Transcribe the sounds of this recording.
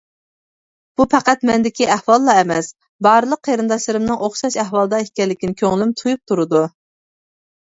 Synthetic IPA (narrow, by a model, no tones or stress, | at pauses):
b̥upʰæqæt̪mɛnd̪ɪkʲiʔæhwɑlˠːɑɛmɛs | bɑːɾɨlˠəqʰːeɾɨnd̪ɑʃlˠɨɾɨmnɨŋʔoχʃɑʃɛhwɑlˠɨd̪ɑekʲɛlːɪkʲinɪkʲʰøŋlymt̪ʰujup̚t̪ʰuɾɨd̪u